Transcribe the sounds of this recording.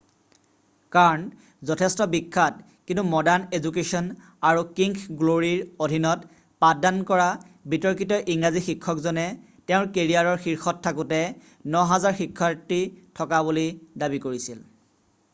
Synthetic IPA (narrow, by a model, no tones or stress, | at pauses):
kaɹɔn | zɔtʰɛstɔbikʰːat̚ | kintumɔdaɹnezuk̬esɔn | aɹukiŋɡɡloɹiɹodʱinɔt | padankɔɹa | bitɔɹkitɔʔiŋɹazixikʰːɔkzɔnɛ | teʊ̃ɹkeɹiaɹɔɹxiɹxɔttʰːakutɛ | nɔɦazaɹxikʰːatːitʰɔkabulidabikoɹisil